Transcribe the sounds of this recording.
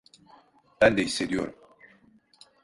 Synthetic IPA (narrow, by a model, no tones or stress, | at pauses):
b̥ænd̪ɛɦisːe̞d̪ijo̞̰ɾum